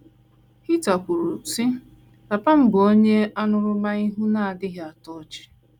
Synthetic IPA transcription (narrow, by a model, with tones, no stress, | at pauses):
hi˦ta˨kʷu˨ɾu˨si˦ | ta˨pa˦m̩˦bo˦ɲe˦a˦nʊ˦ɾʊ˦ma˦i˦ɦu˦na˦˨a˨dɪ˦ɦa˨tɔ˦˨t͡ʃɪ̥˦